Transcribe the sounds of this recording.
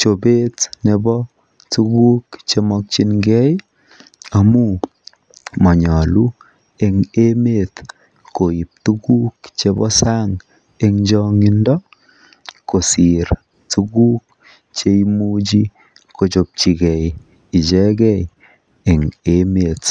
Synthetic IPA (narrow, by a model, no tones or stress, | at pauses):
t͡ʃobetnebɔ | tuɡukt͡ʃemɔk̚t͡ʃinɡɛj | amu | mɔɲɔlu | eŋemet | koip̚tukukt͡ʃebɔ̰saŋ | eŋd͡ʒɔŋindɔ | kosiɾ | tuɡuːk̚ | t͡ʃeimud͡ʒi | kʰot͡ʃop̚t͡ʃiɡɛj | it͡ʃɛɡɛj | eŋemet